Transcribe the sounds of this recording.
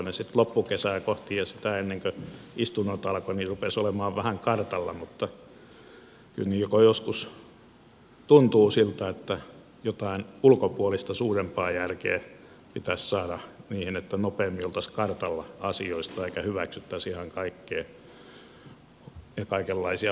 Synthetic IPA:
nesit̪lopːukesæːkoht̪ijɑsit̪æenːeŋkøist̪unːot̪ɑlkonirupesolemɑːʋʋæhæŋkɑrt̪ɑlːɑ̰mut̪ːɑ | ky̰lniːjokojoskus | t̪unt̪uːsilt̪æet̪ːæ | jot̪ɑinulkopuolist̪ɑsuːrempɑːjærkḛː | pit̪æssɑːɾɑniːhinet̪ːænopeːmːiolt̪ɑskɑrt̪ɑlːɑɑsioist̪ɑeikæhyʋæksyt̪ːæsihɑŋkɑikːeː | jɑkɑikelːɑisiɑ

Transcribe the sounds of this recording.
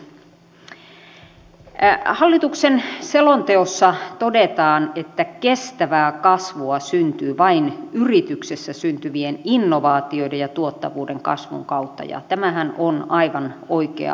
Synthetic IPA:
hɑlːit̪uksenselont̪eosːɑt̪odet̪ɑːnet̪ːækest̪æʋæːkɑsʋuɑsynt̪yːʋɑinyrit̪yksesːæsynt̪yʋieninːoʋɑːt̪ioidejjɑt̪uot̪ːɑʋuːdeŋkɑ̰sʋṵŋkɑut̪ːɑ̰jɑ̰t̪æmæhænonɑiʋɑnoikḛɑ̰

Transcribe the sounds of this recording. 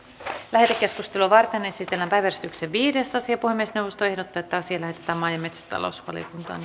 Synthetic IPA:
læɦet̪ækːe̞skust̪eluɑʋɑrt̪ene̞sit̪elːæmpæjʋærsi̥t̪ykseʋʋiːdesɑsiɑpuhemːiesnewʋo̞st̪oe̞hdot̪ːɑːet̪ːæɑsiɑlæɦe̞t̪e̥t̪æːmɑjɑme̞t̪sæ̥st̪ɑ̰lo̰sʋɑ̰lḭokunt̪ɑ̰ːn

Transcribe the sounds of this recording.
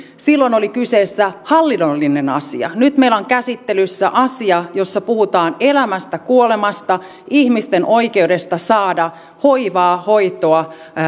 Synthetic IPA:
silːonolikyseːsːæhɑlːinolːinenɑ̰sḭɑ̰nyt̪meiloŋkæsit̪ːelysːæʔɑsiɑjo̞sːɑpuhut̪ɑːnelæmæst̪ækuole̞mɑst̪ɑ | ihmist̪enʔo̞ike̞ude̞st̪ɑsɑːdɑ | hoiʋɑːho̞it̪oɑ

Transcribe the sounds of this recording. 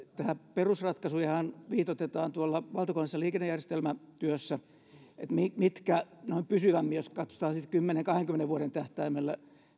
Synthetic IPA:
t̪æhæperusrɑt̪kɑsujɑhɑnʋiːt̪ot̪et̪ɑːnt̪uolːɑʋɑlt̪ɑkonsːɑliːkenːejærjest̪elmæt̪yøsːæ | ḛt̪mimit̪kænoimpysyʋæmːijoskɑt̪so̥t̪ɑːsit̪kymːeneŋkɑheŋkymːeneʋʋuoɾent̪æht̪æimelːæ

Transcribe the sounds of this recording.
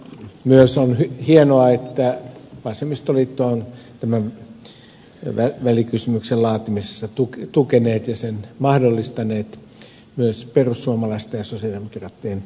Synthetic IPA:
myøsonhyhienoɑet̪ːæʋɑsemist̪olit̪ːont̪æmæʋ | ʋæʋælikysymyksellɑːt̪imisesːɑt̪ukt̪ukeneːt̪jɑsenmɑhdolːist̪ɑneːt̪ | myøsperusːuomɑlɑist̪ɑjɑsosiɑlimikrɑt̪ːiːn

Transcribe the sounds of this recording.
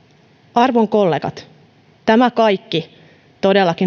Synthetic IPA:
ɑrʋoŋko̞lːeːɡɑ̰t̪ | t̪æmækɑjkːi | t̪o̞de̞lːɑki

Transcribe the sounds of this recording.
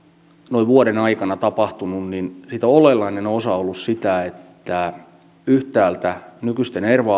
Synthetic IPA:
noiʋuoɾenɑikɑnɑt̪ɑpɑht̪ununninsiːt̪oolelːɑinenosɑolːussit̪æet̪ːæ | yht̪æːlt̪ænykyst̪enerʋɑː

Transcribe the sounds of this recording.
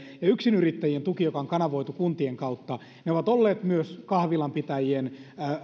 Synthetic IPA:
jɑyksinyrit̪ːæjient̪ukijokɑoŋkɑnɑʋoit̪ukunt̪ieŋkɑut̪ːɑ | neoʋɑt̪olːeːt̪myøskɑhʋilɑmpit̪æjien

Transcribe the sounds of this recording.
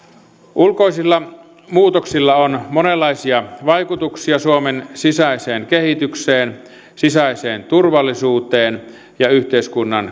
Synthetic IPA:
ʔulkoisilːɑ | muːt̪oksilːɑonmonelːˑɑisiɑʋɑjkut̪uksiɑsuomensisæiseːnkehit̪ykseːn | sisæiseːnt̪urʋɑlːisuːt̪eːn | jɑyht̪eiskunːɑn

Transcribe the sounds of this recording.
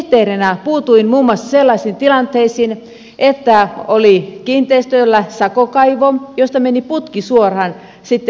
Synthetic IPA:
t̪eːrinæpuːt̪uinmuːmːoɑsːɑselːɑisiːnt̪ilɑnt̪ːeisin | ʔet̪ːæolikiːnt̪ˑeist̪ølːæsɑkokɑiʋojost̪ɑmeniput̪kisuorhɑn | sit̪ː

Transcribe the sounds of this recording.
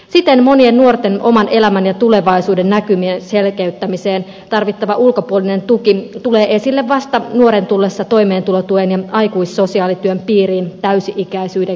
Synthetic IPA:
sit̪enmo̞niennuort̪enʔo̞̰mɑnʔelæmænjɑt̪ule̞ʋɑisuːdenːækymienselkeyt̪ːæmiseːn | t̪ɑrʋit̪ːɑʋɑʔulkopuolinent̪ukit̪uleːʔesilːeʋʋɑst̪ɑnuoɾent̪ulːesːɑt̪o̞imeːnt̪ulot̪uenjɑɑikuisso̞siɑːlit̪yømpiːriːnt̪æysiʔikæisyːde

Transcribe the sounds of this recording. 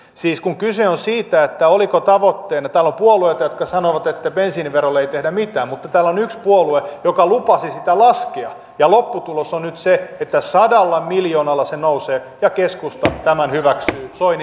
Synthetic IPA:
siːskuŋkyseonsiːt̪æet̪ːæolikot̪ɑʋot̪ːeːnɑt̪æːlompuoluet̪ɑjot̪kɑsɑnoʋɑt̪et̪ːæpensiːniʋʋerolːeeit̪ehdæmit̪æːmmut̪ːɑt̪æːlːonykspuoluejokɑlupɑsisit̪ælɑskeɑ | jɑlopːut̪ulosonnyt̪seet̪ːæsɑdɑlːɑmiljoːnɑlːɑsenouseː | jɑkeskust̪ɑt̪æmænhyʋæksyːsoin

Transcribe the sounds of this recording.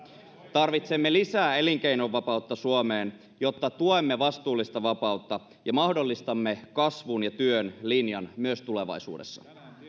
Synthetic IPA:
t̪ɑrʋit̪se̞mːe̞lisæːe̞liŋk̟e̞jno̞ʋːɑpɑut̪ːɑsuomeːn | jo̞t̪ːɑt̪uomːe̞ʋɑst̪uːlːist̪ɑʋɑpɑut̪ːɑ | jɑmɑhdo̞lːist̪ɑmːe̞kɑsʋunjɑt̪yønlinjɑnmyøst̪ule̞ʋɑ̰isṵːdesːɑ̥̰

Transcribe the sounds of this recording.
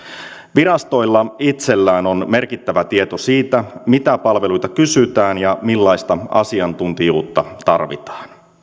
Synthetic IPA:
ʋiɾɑst̪o̞jlːɑit̪se̞lːæːno̞nme̞rkit̪ːæʋæt̪ie̞t̪osiːt̪æmit̪æpɑlʋe̞lujt̪ɑkysyt̪æːnjɑmilːɑjst̪ɑɑ̰siɑnt̪unt̪ijuːt̪ːɑt̪ɑrʋḭt̪ɑ̥ːn

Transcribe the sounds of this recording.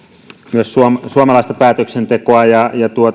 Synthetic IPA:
myøssuomsuomɑlɑist̪ɑpæːt̪øksent̪ekoɑjɑjɑt̪uo

